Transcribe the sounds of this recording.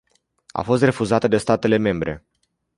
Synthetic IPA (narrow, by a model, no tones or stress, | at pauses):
a̰fo̞s̬t̪re̞fuzat̪əd̪e̞st̪at̪e̞le̞me̞mbɾʔe̞̰